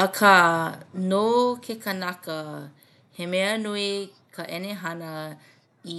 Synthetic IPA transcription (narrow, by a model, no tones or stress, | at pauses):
ɐkʰɐ | nokʰekɐnɐkə | hemeənui | kʰəʔɛneɦɐnə | i